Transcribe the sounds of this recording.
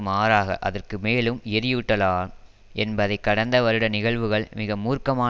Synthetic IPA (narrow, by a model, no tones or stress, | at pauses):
maːɾaːɣɐ̰ʔɐ̰ðɐrkɯmeːlɯmɛɾɪjɯʈːɐlaːn | ɛnbɐðɐɪkːɐɽɐnd̪ɐʋɐɾɯɽɐnɪɣɐɭʋɯɣɐɭmɪɣɐmuːrkɐmaː